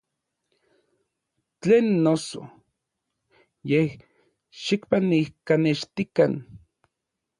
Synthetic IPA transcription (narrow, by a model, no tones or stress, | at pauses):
t͡ɬeːnːoso̰ | jeh | ʃikpanihkaneʃt̪ikan